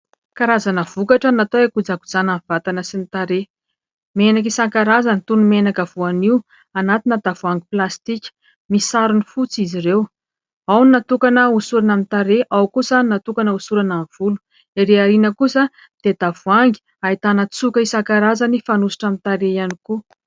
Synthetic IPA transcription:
kaɾazanəv̥ukaʈ͡ʂanat̪oekud͡zakud͡zanamv̥at̪anəsinit̪aɾe | menak̬isaŋkaɾazanit̪unumenakəv̥uaniw | anat̪inəd̪avuaŋɡiplast̪ikʲə̥ | misaɾunifut͡sizirew | awninat̪ukanəusuɾanamit̪aɾeʔawkusanat̪ukanəusuɾanaɱv̥ulu̥ | iɾeaɾinəkusə | d̪̥ed̪̥avuaŋɡi̥ | ait̪anət͡sukəisaŋkaɾazanifanusi̥ʈ͡ʂamit̪aɾeianiku

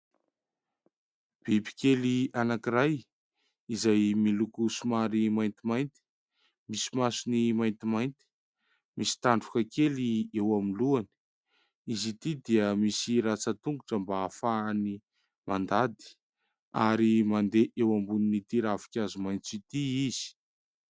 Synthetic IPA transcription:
b̥ibi̥kʲelianakiɾaj | izajmilukusumaɾimajnt̪imajnt̪i̥ | misi̥masunimajnt̪imajnt̪i̥ | misi̥t̪aɳɖ͡ʐukakeliewamiluani̥ | izit̪id̪iəmisiɾat͡sət̪uŋɡuʈ͡ʂəmbaːfani | mand̪ad̪i̥ | a̰ɾimand̪eʔewambuninit̪iɾavi̥kʲazumajnt͡sit̪iiz̥i̥

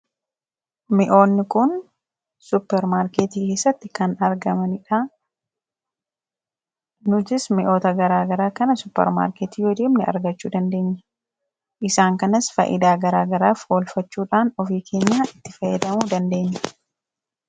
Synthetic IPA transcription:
mɪʔo̞ːnːɪkʊn | sʊpːɛɾmaːɾkeːt̪iːke̞ːsːɐt̪ːɪkɐnɐɾɡɐmɐnɪᶑa | nʊd͡ʒɪsmɪʔo̞ːt̪ɐɡɐɾaːɡɐɾaːkɐnɐsʊpːɛ̰ɾma̰ːɾkeːt̪iːjɔd̪iːmnɛɐ̰ɾɡɐt͡ʃːuːd̪ɐnd̪e̞ːɲːɐ̥ | ʔɪsaːŋkɐnɐsfɐ̰ʔɪ̰d̪aːɡɐɾaːɡɐɾaːfhoːlfɐt͡ʃːuːᶑaːnɔfiːkʰe̞ːɲːaːɪt̪ːɪfɐjːɛd̪ɐmuːd̪ɐnd̪e̞ːɲːɐ̥

